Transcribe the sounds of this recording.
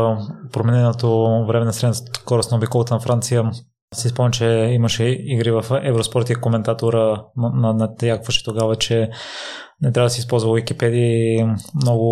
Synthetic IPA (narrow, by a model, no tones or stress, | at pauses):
pɾomɛnɛnot̪ovɾɛmɛnɐsɾɛkɔɾʊsnɐobikolˠot̪ənɐfɾant̪sijə | sispɔmnʲət͡ʃɛimɐʃɛiɡɾivɐfɛvɾospɔɾt̪ikomɛnt̪at̪oɾənɐnɐt̪jakvəʃɛ̥t̪oɡavət͡ʃɛ | nɛt̪ɾʲavəd̪sispɔlˠzvɐvikipɛd̪iimnɔɡʊ